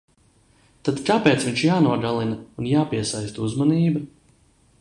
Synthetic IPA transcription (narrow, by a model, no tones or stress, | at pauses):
t̪ad̪kaːpɛːt̪sviɲʲt͡ʃjaːnuɔɡalˠinɐunjaːpiɛsajst̪uzmaniːbɐ